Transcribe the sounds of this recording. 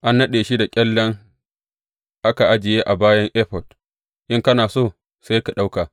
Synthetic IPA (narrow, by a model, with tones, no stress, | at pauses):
ʔa˦nːɐ˦ɗeː˨ʃi˦da˨kʲʼɛ˦lːɐ˦ŋ | ʔa˦ka˨ʔa˦d͡ʒɪ˨jeː˦ʔa˨baː˦jɐ˦ŋʔɛː˦ɸɔ˨d | ʔɪ˦ŋkɐ˦naː˨soː˦˨ | sa˦jka˨ɗa˦wkaː˨